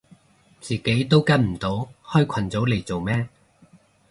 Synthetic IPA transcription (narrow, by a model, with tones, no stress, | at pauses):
t͡siː˨ke˨˥jt̪o˥wkɐ˥nm̩˨˩t̪o˨˥whɔː˥jkʷʰɐ˨˩nt͡so˨˥wle˨˩jt͡so˨wmɛː˥